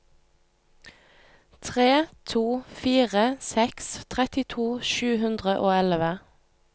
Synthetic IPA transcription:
t̪ʰʁeːt̪ʰuːfiːʁəsɛkst̪ʰʁɛt̪ɪt̪ʰuːʃʉːhʉnd̪ʁəʔoːɛlʋə

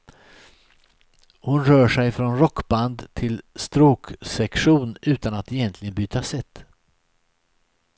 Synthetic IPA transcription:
hʊnɾœːʂɛjfɾɔnɾɔkːband̪t̪ʰɪlst̪ɾuːksɛkɧuːnʔʉ̟ːt̪anat̪ɛjɛnt̪ʰlɪɡənbyːt̪asɛt̪ː

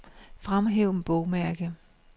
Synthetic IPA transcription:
fʁamɦeʊ̰n̩b̥ɔʊmæɐɡ̥ə

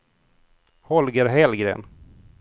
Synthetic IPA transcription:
hɔlɡəɾɦɛlɡɾḛːn

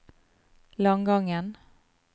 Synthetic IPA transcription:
lɔŋɡɔŋːən

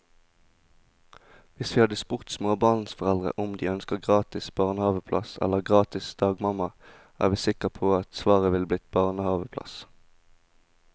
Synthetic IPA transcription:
ʋɪsʋiːhɑd̪əspʊʁt̪smoːbɑːnn̩sfɔʁɛld̪ʁə̰ʔʊmd̪iːœnskəʁɡʁɑːt̪ɪsb̥ɑːʁnəhɑːʋəpʰlɑ̰sɛ̰ləʁɡʁɑːt̪ɪsd̪̥ɑːɡmɑmɑ | ʔæ̰ːʁʋiːsɪkəpʰoːɑt̪sʋɑːʁəʋɪlblɪt̪̚bɑʁnəhɑːʋəpʰlɑ̰s

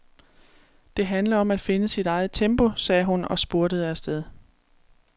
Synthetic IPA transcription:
d̥e̝ɦænlɐɒ̽mæd̥fe̝nəsid̥ɑ̈ɪð̞̩ˠt͡sʰemb̥o̝sɛːɦunɒ̽sb̥oɐɾəð̞̩ˠæsd̥eðˠ

